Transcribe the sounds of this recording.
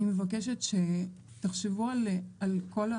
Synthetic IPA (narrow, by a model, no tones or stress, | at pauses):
imevakeʃetʃe | t̪aχʃevualalko̞la